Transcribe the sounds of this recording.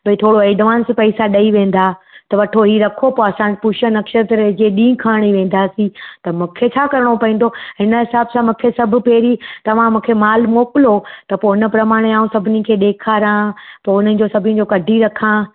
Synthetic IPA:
bɐit̪ʰoːɽoeːɖʋaːnspɐisaɗɐiʋẽːn̆d̪aːt̪ɐʋɐʈʰoɦiːɾɐkʰopoːɐsãd͡ʑɪpʊʃənɐkʃəɾt̪ɾd͡ʑeɗĩːkʰaːɽ̃iʋẽːn̆d̪aːsĩt̪ɐmũːkʰet͡ɕʰaːkɐɾɪɽ̃opɐĩːn̆d̪ʱoɦɪnəɦɪsaːbsãmũːkʰesɐbʱʊ̆peːɾit̪ɐʋ̤ãmũːkʰemaːlmoːkɪlot̪ɐpoːɦɪnə̆pɾɐmaːɽ̃eaːũsɐbʱɪnikʰeːɗ̪eːkʰaːɾãpoːʊnənɪ̆d͡ʑoːsɐbʱɪnĩ̆d͡ʑoːkɐɖʱiɾɐkʰãː

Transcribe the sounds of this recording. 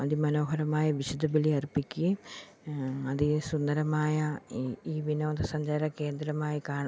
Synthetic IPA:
ɐðimɐno̞ːɦɐɾɐmaːjɐʋiɕud̪ʱːɐbɐliɐrpikʲːɨ | ɐðɨsund̪ɐɾɐmaːjɐiːʋinoːt̪ːɐsɐɲd͡ʑaːɾɐke̞ːnd̪ɾɐmaːjikaːɳ

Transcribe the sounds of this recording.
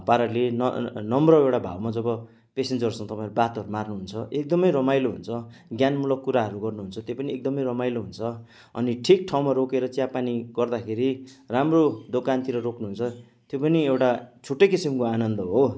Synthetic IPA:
paɾʌlen̰nʌmrʌewʈabʱa̰wmad͡zʌbʌ | pesend͡zʌrsʌ̃ŋ̃t̪ʌpãẽɾubat̪ɦʌɾumarnuɦunt͡sʰʌʔek̚d̪ʌmʌjɾʌmajloɦunt͡sʰʌɡjanmulʌkːuɾaɦʌɾuɡʌrnuɦunt͡sʰʌt̪jopʌniek̚d̪ʌmʌjrʌmajloɦunt͡sʰʌ | ʌ̰niʈʰik̚ʈʰawmaɾokeɾʌt͡sijapaniɡʌrd̪akʰeɾiramrod̪okant̪iɾʌrokʰnuɦunt͡sʰʌ | t̪jopʌniewʈat͡sʰuʈːʌjkisimkoanʌnd̪ʌɦo

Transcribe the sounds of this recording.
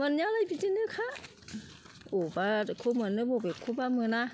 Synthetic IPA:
manɲalapitinɯkʰa | ʔoːbakʰuːmɯnɯboːpakʰuːbamɯna

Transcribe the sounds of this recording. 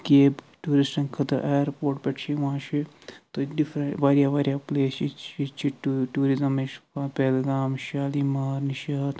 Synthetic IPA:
keːb | ʈuːɾisʈɐnkʰɐt̪ɐʔaːjɾpoːɾʈpeʈʰt͡ʃʰiʋãːʃʰi | t̪oɖifɾɐʋaːɾjaːʋaːɾjaːpleːsit͡ʃʰit͡ʃʰiʈʈuːɾizɐmet͡ʃpeːlɡaːmʃaːlimaːɾniʃɐːt̪

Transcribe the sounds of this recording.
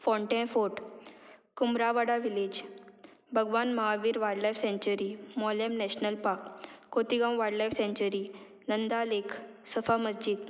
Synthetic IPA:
fɔɳʈɛ̃foʈ | kumɾaʋaɽaʋiled͡ʑ | bʱəɡʋanməɦaʋiːɾʋaɾɽlajfsẽɲt͡ɕəɾimɔljəmnɛɕnəlpakːot̪iɡãw̃ʋaɽlajfsẽɲt͡ɕəɾi | nənd̪alekʰsəfaməsd͡ʑiːd̪

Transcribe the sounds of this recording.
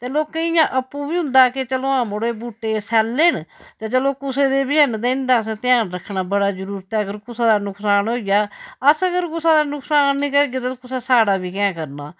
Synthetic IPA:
t̪eːloːkəɪjãːʔəpːũːbiːɦʊ̃nd̪aːkɪt͡ʃəloːãːmoɽeːbuːʈeːsɛːlːeːɳt̪aːt͡ʃəloːkʊseːd̪eːbiːɦənd̪eɪnd̪aːst̪ɪjaːnɾəkʰːnaːbəɽaːd͡ʒəɾuːɾt̪ɛːəɡəɾkʊsãːd̪aːnʊkʰsaːnɦoːijaːəsəɡəɾkʊsãːd̪aːnʊkʰsaːnːĩːkəɾɡeːt̪aːkʊsaːsaːɽaːbʱiːkɛ̃ːkəɾnaː

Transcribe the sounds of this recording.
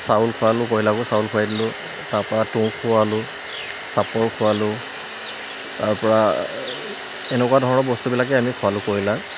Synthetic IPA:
saʊlkʰʊwalʊkoɹilakʊsawulkʰʊwajdilʊ̃ | taɹpɔɹatʊkʰʊwalʊ | sapɔɹkʰʊwalʊ | taɹpɔɹa | ɛnɛkʊwadʱɔɹɔnɔɹbɔstubilak̬ɛamikʰʊwalʊkoɹila

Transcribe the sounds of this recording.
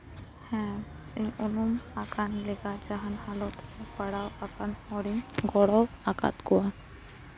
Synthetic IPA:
hɛ̃ | iunumakanleɡad͡ʒaɦanhalɔt̪ʰpaɽawakanɔɽiŋɡɔɽɔw | aka̰t̪kɔan

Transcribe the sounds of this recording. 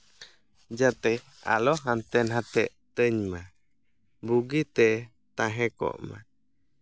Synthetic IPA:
d͡ʒat̪ɛ | a̰lɔɦant̪ɛnɦat̪ɛʔ | t̪əɲma | buɡit̪ɛ | t̪ãɦɛ̃kɔ̰ʔma̰

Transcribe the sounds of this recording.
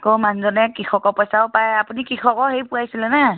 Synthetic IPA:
komanzɔnɛkixʰɔkɔpɔjsaʊpajapunikɹixʰɔkɔɦejpuajsilɛna

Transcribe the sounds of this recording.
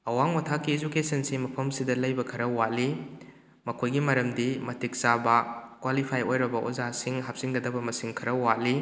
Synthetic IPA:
ɐwaŋwɐtʰakːied͡ʒukesɐnsimɐpʰɐmsidɐlɐjbɐkʰɐɾɐwali | mɐkʰojɡimɐɾɐmdimɐtik̚sabɐkwalipʰajojɾɐbɐʔozasiŋɦap̚siŋɡɐdɐbɐmɐsiŋkʰɐɾɐwali

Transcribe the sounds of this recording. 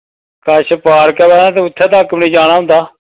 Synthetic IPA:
kəʃəpaːɾkɛːbɛːãːt̪̬ẽːʊt̪ʰːɛːt̪aːkːbɳiːd͡ʒaːɽ̃aːɦʊ̃nd̪aː

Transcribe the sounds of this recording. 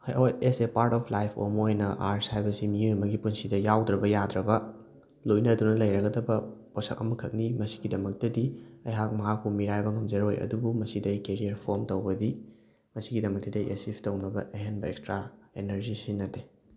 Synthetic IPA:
hjʔojesepaɾtɔpʰlajpʰo̰mojnɐʔaɾshajbɐsimiojmɐɡipunsidɐjawdɾɐbɐjad̪ɾɐbɐ | lojnɐdunɐlɐjɾɐɡɐdɐbɐ | ɔsɐ̰kɐ̰mɐkʰɐk̚nimɐsi̥ɡidɐmɐk̚tɐdiɐjɦak̚mɐɦak̚pumiɾajbɐŋɐmd͡ʒɐɾojɐ̰dubumɐsidɐjkeɾiɐɾpʰoɾmtɐwbɐdi | mɐsiɡidɐmɐk̚tɐdɐʔesipʰtɐwnɐbɐʔeɦenbɐḛkstɾaenɐɾzisinːɐtːe

